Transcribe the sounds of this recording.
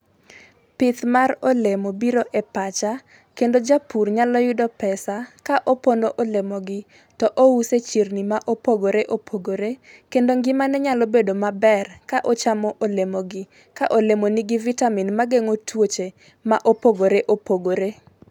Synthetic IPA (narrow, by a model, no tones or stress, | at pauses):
pɪt̪marolemobiɾoʔɛpat͡ʃa | kendod͡ʒapurɲalɔjʊdɔpɛsakaʔopondoʔolemɔɡɪ | tɔʔouset͡ʃirnimaʔopoɡoɾeʔopʰoɡoɾekendoŋɡɪmanɛɲalobedomabɛrkaʔot͡ʃamɔʔolemoɡɪ | kaʔolemoniɡɪvitaminmaɡeŋotwot͡ʃe | maʔopoɡoɾeʔopoɡoɾe